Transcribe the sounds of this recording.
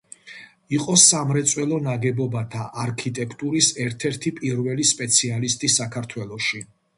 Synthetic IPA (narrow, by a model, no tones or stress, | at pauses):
iqʼɔsamɾɛt̪sʼwɛlˠɔnaɡɛbɔbat̪ʰaʔaɾkʰit̪ʼɛkʰt̪ʼuɾisɛɾt̪ʰɛɾt̪ʰipʼiɾvɛlispʼɛt̪sʰialist̪ʼisakʰaɾt̪ʰwɛlˠɔʃi